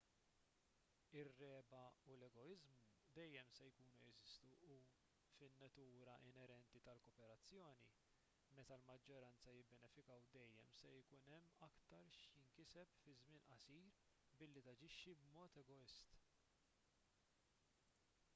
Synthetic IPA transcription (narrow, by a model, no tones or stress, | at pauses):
ɪrːɛːbɐulɛɡɔɪzmud̪ɛjːɛmsɛjkuːnuɛzɪst̪uu | fɪnːɐt̪uːɾɐʔɪnɛɾɛnt̪it̪ɐlkɔpɛɾɐt͡sːjɔːnḭ | mɛt̪ɐlmɐd͡ʒːɔɾɐnt͡sɐjɪbːɛnɛfɪkɐwd̪ɛjːɛ̰msɛjkʊnɛmːɐkt̪ɐɾʃjɪŋkɪsɛpfɪzmɪːnʔɐsiːɾ | bɪlːit̪ɐd͡ʒɪʃːibmɔːt̪ɛɡɔɪst̪